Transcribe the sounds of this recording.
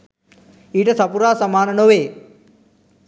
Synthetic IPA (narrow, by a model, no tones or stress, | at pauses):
iːʈəsɐpuɾaːsɐmaːnənoːʋeː